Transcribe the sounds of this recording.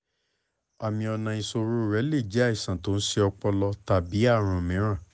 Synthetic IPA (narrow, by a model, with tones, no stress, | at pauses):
a˨mĩ˧ɔ˧nã˧ĩ˧so˧ɾo˦˨ɾɛ˨˦le˦˨d͡ʒi˦a˦i˨sã˨to˨˦n̩˦se˧ɔ˧k͡pɔ˧lɔ˧ta˨bi˨˦a˦˨ɾ̃ã˨mɛ̃˨˦ɾ̃ã˦˨